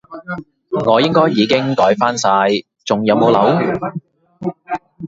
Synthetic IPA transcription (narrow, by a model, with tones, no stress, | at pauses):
ŋɔː˨˧jɪ˥ŋkɔː˥jːiː˨˧kɪ˥ŋkɔː˨˥jfaː˥nsaː˧j | t͡sʊ˨ŋjɐ˨˧wmo˨˧wlɐ˨˥w